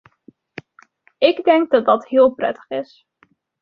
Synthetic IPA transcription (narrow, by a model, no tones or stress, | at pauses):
ɪɡdɛŋɡ̚dɑt̚dɑtɦɪːlˠprɛ̰tə̥χɪs